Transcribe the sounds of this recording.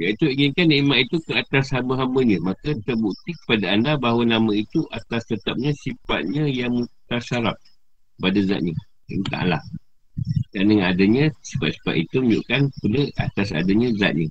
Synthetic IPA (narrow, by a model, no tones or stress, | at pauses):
jait̪uiŋinkanimaʔ̪it̪ukəat̪ashambəɦambəɲəmakət̪ərbukt̪ikə̥padaːndabaɦwənamãit̪uʔat̪ast̪ət̪ap̚ɲə̃sifa̰t̪̚ɲə̃jaŋmut̪asaɾap̚ | kəpadaza̰ʔ̪̚ɲə | ə̰nt̪a̰ʔla̰h | dandəŋanadaɲə̃si̥fat̪si̥fa̰t̪it̪uməɲd͡ʒṵʔkanpələa̰t̪asa̰daɲə̃za̰ʔ̪̚ɲə